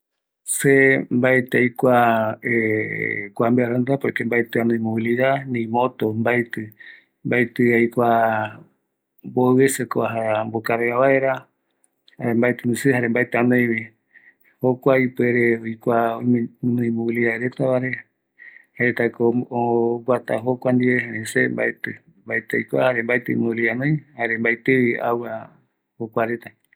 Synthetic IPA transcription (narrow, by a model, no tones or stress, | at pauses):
sembaet̪eajkʷae | kʷambeaɾand̪apokembaet̪ɨanõĩmoβiliðanĩmot̪ombajt̪ɨ | mbajt̪ɨajkʷa | bowesekoaɦambokaɾeaβaeɾa | aɾembajt̪ɨnĩsɨhaɾembaet̪ɨanõjβi | hokʷaipeɾeojkʷaomnũĩmũliaɾet̪aβaɾe | haet̪akooɡʷat̪a̰ɦokʷand̪ieɦẽɾesemba̰et̪ɨ | mbaet̪eajkʷahaɾembaet̪ɨ̰muwlianõjhaɾembajt̪ɨia̰wa | hokʷaɾet̪a